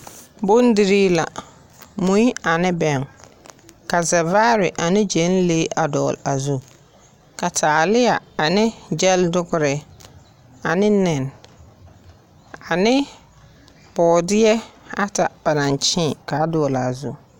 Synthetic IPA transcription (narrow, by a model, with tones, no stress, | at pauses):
bʊ˦n˦dɪ˦ɾiː˦la̰˨ | mu˦i˦a˨nɪ˦bɛ˨ŋ | ka˨zɛ˨vaː˦ɾɪ˨ʔa˨nɪ˦d͡ʒe˨˦n˦leː˦ʔa˨dɔ̰ː˨la˨zu˦ | ka˨tʰaː˨lɪ˦ja˨a˨nɪ˦d͡ʒɛ˦ldʊ˦ɡʊ˦ɾɪ˨ | a˨nɪ˦nɪ˨n | a˨nɪ˦ | bɔː˨dɪ˦ɛ˦a˦ta˨ba˨na˨nt͡ʃɪ̃˦˨ka˨˦dɔː˨la˨zu˦